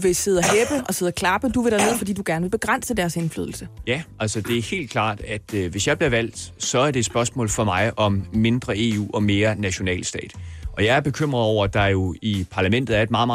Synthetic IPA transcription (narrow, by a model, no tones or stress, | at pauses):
ʋe̝se̝ð̞̰ˠɐɦeb̥əʔɒ̽se̝ð̞̰ˠɐkʰlɑ̈b̥əd̥uʋe̝ɾ̥æɐne̝ð̞̰ˠfɒ̽dḭːd̥uɡ̥æɐnəʋe̝b̥e̝ɡ̥ʁan̰səd̥æɐse̝nfly̰ð̰ˠl̩səjæælsɒd̥e̝æɐhe̝̰ːld̥kʰl̥ɑ̰̈ːd̥æd̥ʋe̝sjɑ̈ɪb̥liɐʋæl̰d̥sɒ̽æɐɾe̝ːd̥sb̥ɶɐsmɔ̰̽ːlfɒ̽mɑ̈ɪɒ̽mːe̝nd̥ʁɐe̝ṵːɒ̽me̝ːɐnæɕo̝nɛ̰ːlsd̥ɛ̰ːd̥ʔɒ̽jɑ̈ɪæɐb̥e̝kʰøm̰ʁɐð̩ˠɒʊ̰ɐd̥ɑ̈jo̝ipʰɑ̈læmen̰d̥ð̩ˠæɐed̥̚mɑ̈ːð̩ˠmɑ